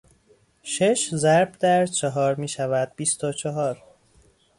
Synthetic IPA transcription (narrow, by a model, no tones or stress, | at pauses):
ʃeʃzæɾbd̪æɾt͡ʃʰɒɦɒːɾmiːʃævæd̪̚bist̪ot͡ʃʰɒɦɒːɾ